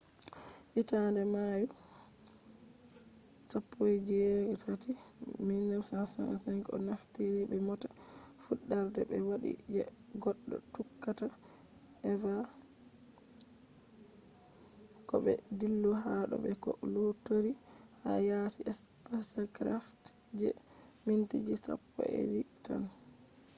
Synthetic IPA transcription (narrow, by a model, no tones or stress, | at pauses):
ʔitandɛmaju | sɔpːojd͡ʒɛɡɛtatiminːɛmsasa̰ŋsɛŋkɔ̰naftiɾibɛmɔtḁfuɗːaɾdɛbɛ̰waɗḭd͡ʒɛɡɔɗːɔ̰tukːataʔɛva | kɔɓɛdilːɔɦaɗɔ̰bɛkɔlotoɾiha̰jasiʔɛspasakɾaftd͡ʒɛmintid͡ʒisa̰pːɔ̰ɛ̰wita̰n